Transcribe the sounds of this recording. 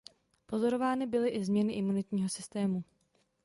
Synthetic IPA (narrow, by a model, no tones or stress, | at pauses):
po̞zo̞ɾo̞vaːnɪbɪlɪʔɪzmɲɛnɪʔɪmunɪt̪ɲiːɦo̞sɪst̪ɛːmu